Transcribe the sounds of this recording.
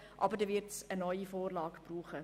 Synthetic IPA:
ʔɑ̰bəɾdəːvɪɾtsənɔʏifoːrlɑːkb̥ruːχə

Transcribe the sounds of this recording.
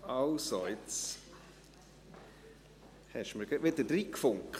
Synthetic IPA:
ɑʊsoɪt͡s | hɛʃməɾɡɛʋɪd̪əɾd̪ɾiːkfʊŋkχ

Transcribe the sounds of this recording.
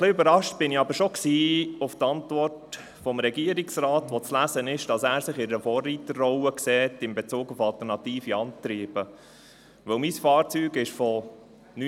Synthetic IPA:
χlɪøbəɾɑʃt̚b̥ɪniɑbəɾʃɔksiːʊft̪ɑntvɔrt | fɔmɾɛɡiəɾiksɾɑːtʋɔt͡slæzənɪʃd̥ɑsæːɾsɪχɪəfɔːrːiːtərːɔwəksɛːtɪmbɛt͡suːɡʊfɑlt̪əɾnɑt̪iːfiɑnt̪ɾiːb̥ə | ʋɵwmisfɑːɾt͡syːɡɪʃfɔ | ny

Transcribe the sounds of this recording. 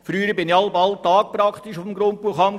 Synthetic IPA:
fɾyːɾəbɪniɑlbɑlt̪ɑːk̚pɾɑkχt̪iʃʊfm̩ɡɾonpuəχɑm

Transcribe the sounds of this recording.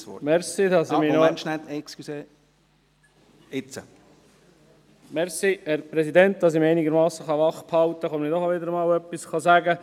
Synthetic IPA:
ɔ̰mɛɾsidɑsminɔɛnt͡ʃnætɛkskyse | ɪt͡sə | mɛɾsihɛɾpɾɛsidɛnt̚d̥̪ɑs̬imɛɪniɡəɾmɑːsəχɑʋɑχphɑlt̪əχɔmənidɔχaʋɪd̪əɾəmɑːwœpːisχɑzæɡə

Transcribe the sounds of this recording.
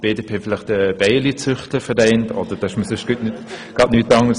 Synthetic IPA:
b̥eːdeːpʰeːfɪlɪχtəb̥ɛɪlit͡sʏχtləfəɾdɛɪntʰɔ̰d̥əɾd̥ɑɪʃməsʏʃɡ̥ytnytɡ̥ɑtnyːtɑŋəs

